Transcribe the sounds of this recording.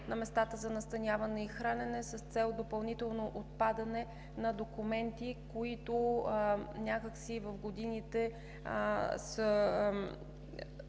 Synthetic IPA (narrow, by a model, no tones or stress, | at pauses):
nɐmɛst̪at̪əzɐnɐst̪ɐnʲjavənɛixɾanɛnɛsəst̪sɛlˠd̪opɐlˠnit̪ɛlˠnoʔot̪̚pad̪ɐnɛ | nɐd̪okumɛnt̪ikoit̪o | nʲakəksivɐfɡod̪init̪ɛ | sə